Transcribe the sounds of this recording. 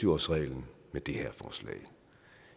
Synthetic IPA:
yʊɒsʁɛ̰ɪln̩ | med̥e̝hæɐfɒːslɛ̰ɪ

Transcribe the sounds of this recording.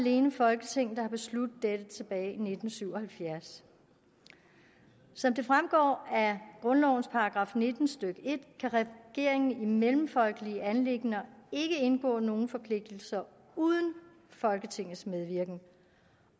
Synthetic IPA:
le̝ːnəfɒ̽lɡ̥ət͡sʰe̝ŋ̰̩d̥ɑ̈hɑ̈b̥e̝slud̥ð̩ˠd̥ed̥ət͡sʰe̝b̥ɛːɪine̝d̥n̩syʊ̰ɒ̽hælfjæɐs | sɒ̽md̥e̝fʁamɡ̥ɒ̰ːæɡ̥ʁɔ̽nlɒʊn̩spʰɑ̈ɑɡ̥ʁɑ̈ːfne̝d̥n̩sd̥øɡ̥əe̝d̥kʰæʁɛɡ̥e̝ɐ̰e̝ŋn̩imelm̩fɒ̽lɡ̥əliəʔænle̝ɡ̥nɐe̝ɡ̥əe̝nɡ̥ɔ̰ːno̝ːn̩fɒ̽pʰle̝ɡ̥̚d̥l̩sɐ | uð̞ˠn̩ | fɒ̽lɡ̥ət͡sʰe̝ŋ̰ð̩ˠsmeðˠʋiɐ̰ɡ̥n̩

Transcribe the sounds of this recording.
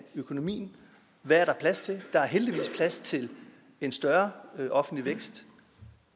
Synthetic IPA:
økʰo̝no̝mḭːn̩ | ʋææɐɾ̥ɑ̈pʰlæst͡sʰe̝d̥ɑ̈æɐɦeld̥iʋḭːspʰlæst͡sʰe̝l | e̝nsd̥ɶɐʔɒ̽fn̩d̥liʋeɡ̥sd̥

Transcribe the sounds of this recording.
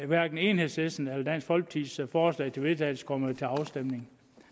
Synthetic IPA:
ʋæɐɡ̥n̩e̝nhe̝ðˠsesn̩æld̥æn̰sɡ̥hɒ̽lɡ̥̚t͡sʰiðˠsfɒːslɛ̰ɪt͡sʰe̝ʋe̝ðˠt͡sʰɛɪl̩skʰɒ̽məð̩ˠt͡sʰe̝lɑ̈ʊsd̥emne̝ŋ

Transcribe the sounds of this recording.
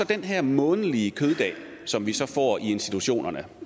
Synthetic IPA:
sɒ̽d̥enɦæɐ̰mɔ̽ːnəliəkʰøð̞ˠd̥ɛ̰ː | sɒ̽mʋisɒ̽fɒ̰ːie̝nsd̥i̥t͡sʰuɕo̝̰ːnʔɐnə

